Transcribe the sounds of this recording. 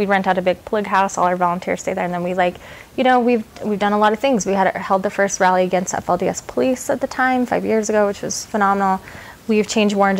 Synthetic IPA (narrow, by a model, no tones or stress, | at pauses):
wiɹɛ̃ntaʊɾɨbɪɡ̚pʰl̥ʌɡɦaʊsɔ̰lˠə˞vɑlˠə̃ntʰɪ̰ɹz̥steɪðə˞ɨ̃nðɨ̃nwilaɪk | jɨɾ̃oʊwivwivdʌ̃nəlɔɾʌv̥θɪ̃ŋzwiɨɾhɛlˠd̪̚ðɨfɜ˞st̚ɹælˠiɨɡɛ̃nstɛ̰fɛlˠdiɛspʰəlisət̪̚ðɨtʰãɪ̃ɱfa̰ɪvjɪɹzɨɡoʊwɨt͡ʃwʌz̥fənɑmənl̩ˠ | wiv̥t͡ʃʰẽɪ̃nd͡ʒd̚wɔɹɨ̃nd͡ʒ